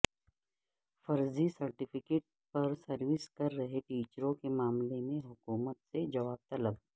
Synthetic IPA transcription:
fɐɾzisɐɾʈɪfɪkeːʈ | pɐɾsɐɾʋɪskɐɾːɐɦeʈiːt͡ʃəɾõkemaːmlemẽɦʊkuːmət̪sed͡ʒɐʋaːb̚t̪ɐləb̚

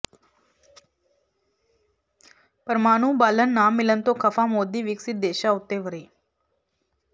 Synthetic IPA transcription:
pəɾmaːɽ̃ũːbaːlənːamːilənt̪okʰəfamoːd̪ːiʋiksit̪̚d̪eːɕaut̪ːeʋəɾiː

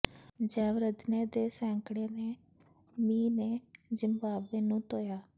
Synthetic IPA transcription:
d͡ʒɛːʋɾəd̪neːd̪eːsɛ̃ːŋkɽeːneː | miːneːzəmbaːbeːnũːt̪oːjaː

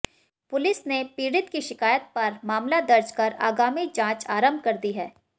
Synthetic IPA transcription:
pʊlɪsnepiːɾɪt̪kiʃɪkaːjət̪̚pɐɾmaːmlad̪ɐɾd͡ʒkɐɾa̰ːɡaːmid͡ʒãːt͡ʃaːɾə̃mbʱkɐɾd̪iɦɛː

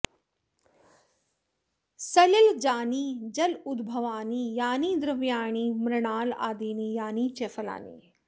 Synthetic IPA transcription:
sɐlɐld͡ʒaːniːd͡ʒɐlʊd̪bʱɐʋaːniːjaːniːd̪ɾɐʋjaːɳiːmɾɐɳaːla̰ːd̪iːniːjaːniːt͡ʃefɐla̰ːnḭː

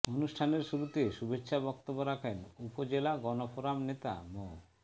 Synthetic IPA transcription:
onuʃʈʰaneɾʃuɾut̪eʃubetːɕʰabɔkt̪obːoɾakʰenupod͡ʑelaɡɔnopoɾamnet̪a̰mo

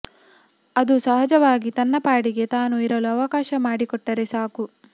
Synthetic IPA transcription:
ɐd̪usɐɦɐd͡ʒɐʋaːɡit̪ɐnːɐpaːɽiɡe̞t̪aːnuiɾɐluɐʋɐkaːʃɐmaːɽikɔʈːɐɾesaːku

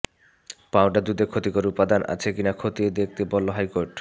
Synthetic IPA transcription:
pawʈad̪ud̪ekʰot̪ikoɾupad̪anʔa̰t͡ɕʰekinakʰot̪ied̪ek̚ʰt̪ebɔlːoɦajkoɾʈ

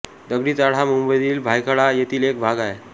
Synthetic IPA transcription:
d̪əɡɽiːt͡saɽ̤amumbəjd̪iːlbʱajkʰəɭajet̪ʰiːlek̚bʱaɡae

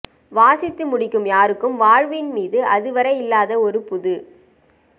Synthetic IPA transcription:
ʋaːsɪt̪ːɯmʊɽɪkːɯmjaːɾɯkːɯmʋaːɻʋɪnmiːðɯʔɐðɯʋɐɾɐɪlːaːðɐɔɾɯpʊðɯ

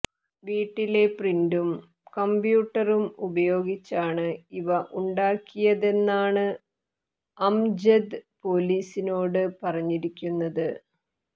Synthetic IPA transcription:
ʋiːʈːile̞prindum | kɐmbjuːʈːɐrumubɐjo̞ːɡit͡ɕːaːɳɨiʋɐʔuɳɖaːkːijɐðe̞nːaːɳɨ | ɐmd͡ʑɐd̪po̞ːliːsino̞ːɽɨpɐrɐɲːiɾikʲːunːɐðɨ

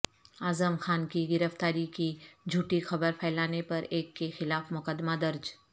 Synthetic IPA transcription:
aːzəmxaːnkiɡɪɾəft̪aːɾikid͡ʒʱuːʈixɐbəɾpʰɛːlaːnepɐɾeːkːexɪlaːfmʊkəd̪mad̪ɐɾd͡ʒ

